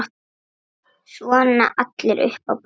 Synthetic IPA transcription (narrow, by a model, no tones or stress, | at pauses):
t̪ | svɔːnna̰ʔat̪lɪɾʔʏ̰hpawp